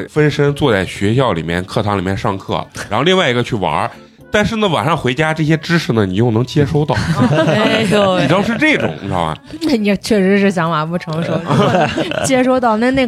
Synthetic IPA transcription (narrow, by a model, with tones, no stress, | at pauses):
fə˥nʂə˥ŋt͡swɔ˥˧t͡sa˥˩ɪɕɥɛ˧˥ɕjɑ˥˩ʊli˨˩mjɛ̰˥˧nkʰɤ˥˩t̪ʰɑ˧˥ŋli˨˩mjɛ˥˧nʂɑ˥˧ŋkʰɤ̰˥˩ɻa˧˥xli˥˧ŋwa˥˩ɪi˧˥ɡə˧t͡ɕʰy˥˩wɐ̰˧˥ | t̪a˥˧nʂɻ̩˥˩nə˩wa̰˨˩nʂɑ˥˩ŋxwɪt͡ɕja˥ʈ͡ʂɤ˥˩ɕ̬jɛ˥ʈ͡ʂɻ̩˥ʂɻ̩˥˩nə˩ni˨˩jo˥˩ʊnɤ˧˥ŋt͡ɕʰjɛ˥ʂo˥ʊt̪ɑ˥˩ʊ˥˧ | i˨˩ʈ͡ʂɑ˥ʂ̬ɻ̩˧ʈ͡ʂɤ˥˩ʈ͡ʂʊ̰˨˩˦ŋ˥˧a̰˧˩a̰˩ | na˥˩ni˧˩t͡ɕʰɥɛ˥˩ʂɻ̩˧˥ʂɻ̩˥˩ɕ̬jɑ˧˥ŋma˨˩pu˥˩ʈ͡ʂʰɤ˧˥ŋʂo˧˥ʊ˧ | t͡ɕʰjɛ˥ʂo˥ʊt̪ɑ˥˧ʊna˥˧ne˥˩